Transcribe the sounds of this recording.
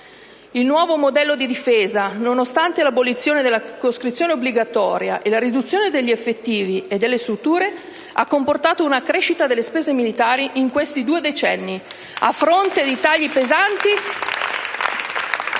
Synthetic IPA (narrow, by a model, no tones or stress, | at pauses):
ilnwɔːvomod̪ɛlːod̪id̪ifeːzanonost̪ant̪elabolit̪sːjoːned̪elːakoskɾit̪sːjoːneobliɡat̪ɔːɾja̰ʔelaɾid̪ut̪sːjoːned̪eʎːiefːet̪ːiːvied̪ːelːest̪ɾut̪ːuːɾe | a̰kːomport̪aːt̪ounakɾeːʃit̪ad̪elːespeːzemilit̪aːɾiʔiŋkwest̪id̪uːed̪et͡ʃɛnːi | a̰fːɾont̪ed̪it̪aʎːipezant̪i